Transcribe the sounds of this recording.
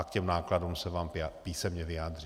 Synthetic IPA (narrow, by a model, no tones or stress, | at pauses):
akcɛmnaːkladumsɛvaːmpiːsɛmɲɛvɪjaːd̪ri